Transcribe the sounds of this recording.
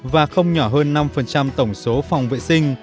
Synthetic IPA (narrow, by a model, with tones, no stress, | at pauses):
vaː˨˩xə˧wŋ͡mɲɔ˧˩ɦəː˧nːa˧mfə˨˩nt͡ɕa˧mt̪ə˧˩wŋ͡mso˨˦fa˨˩wŋ͡mvḛ˧˨sï˧ŋ̟